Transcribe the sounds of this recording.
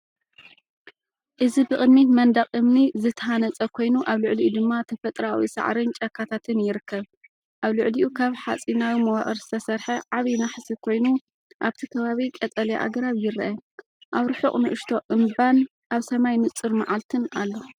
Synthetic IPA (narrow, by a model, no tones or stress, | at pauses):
ʔɨzibɨkʼɨd̪mit̪mɐnd̪ɐqʼɨmnizɨt̪ʰɐɦanɐt͡sʼɐkʰo̞jnuʔaβlʊʕliʔud̪ɨmːat̪ʰɐfɐt̪ʼɾawḭsa̰ʕɾɨnt͡ʃʼɐkʰːat̪ʰat̪ʰɨnjɪɾɨkʰːɐβ | ʔaβlʊʕliʔukʰaβħat͡sʼinawimɐwaχʼɨɾzɨt̪ʰɐsɐɾħɐʕaβinaħsikʰo̞jnu | ʔaβt̪ʰikʰɐβaβikʼɐt͡sʼɐleʔa̰ɡɾaβjɪɾʔɐ | ʔaβɾɨħuχʼnɨʔɨʃt̪ʰo̞ʔɨmban | ʔaβsɐmajnɨt͡sʼːɨɾmaʕalt̪ʰɨnalːo